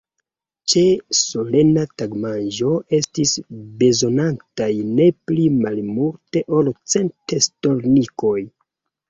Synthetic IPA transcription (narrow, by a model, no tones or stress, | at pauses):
t͡ʃe̞so̞le̞nataɡmanʒo̞e̞stisbe̞zo̞nantajne̞plimalmulte̞ʔo̞lt͡se̞ntesto̞ɾniko̞j